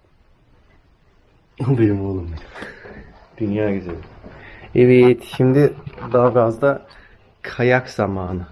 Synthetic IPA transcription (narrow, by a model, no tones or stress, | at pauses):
obeɾimolˠumbeɾ | d̪̥ynjaːɡyzelʲɪeviɛt̪ʰʃimd̪ɪd̪aɦafɾazd̪a | kʰajakz̥amaːnɯ